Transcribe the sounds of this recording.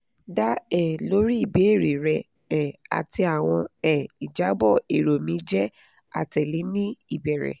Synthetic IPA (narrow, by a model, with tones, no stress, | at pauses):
da˦ɛ˦˨lo˨˦ɾi˦i˦˨be˨˦e˦˨ɾe˨ɾɛ˨ | ɛ˨a̰˨ti˧a˨w̃ɔ̃˧ɛ˦˨i˨d͡ʒa˨˦bɔ˦˨e˨ɾo˨mĩ˨˦d͡ʒɛ˦ | a̰˦˨tɛ˨le˨˦nĩ˦i˦˨bɛ˨ɾɛ̰˨